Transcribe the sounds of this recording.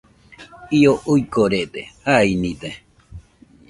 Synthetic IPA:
ioʔuikoɾed̪ehainid̪e

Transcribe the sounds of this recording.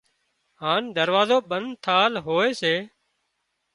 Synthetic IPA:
ɦaːnd̪əɾʋaːzoːɓənd̪t̪ʰaːlɦoːeːseː

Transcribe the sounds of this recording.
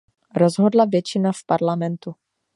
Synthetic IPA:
ɾozɦodlavjɛt͡ʃɪnafpaɾlamɛnt̪u

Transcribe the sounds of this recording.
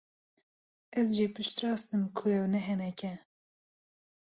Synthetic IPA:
ʔɛzʒipʰɨʃt̪ɾɑːst̪ɨmkʰʊɛwnɛɦɛnɛkɛ

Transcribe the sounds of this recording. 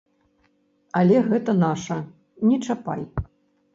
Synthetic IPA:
ɐlʲɛɣɛt̪ɐnaʂɐ | nʲɛt͡ʂapa̰j

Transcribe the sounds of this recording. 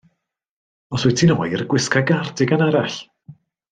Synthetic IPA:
ɔswutʰinɔjrɡwɪskaɡardɪɡanaɾaɬ

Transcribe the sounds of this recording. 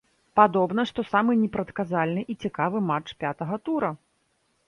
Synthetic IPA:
pad̪ɔbnɐʂt̪ɔsamɨnʲɛpɾɐt̪kazalʲnɨʔit͡sʲikavɨmat͡ʂpʲat̪ɐɣɐt̪uɾɐ

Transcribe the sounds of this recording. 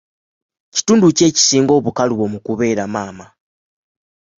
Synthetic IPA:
ci̥tuːnduce̞ːci̥siːŋɡo̞ːβukaluβo̞mukuβe̞ːɾamaːma

